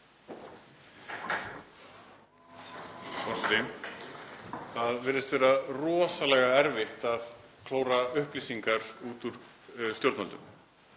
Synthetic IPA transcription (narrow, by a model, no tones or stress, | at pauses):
fɔɾ̥sat̪ɪ | θaðvɛːɾɪst̪vɛːɾarɔːsalɛɣaɛɾvɪht̪aðkʰloːwɾaʏhplisiŋkaɾuːt̪uɾ̥ | st̪jowɾt̪nmalt̪ʏ̰m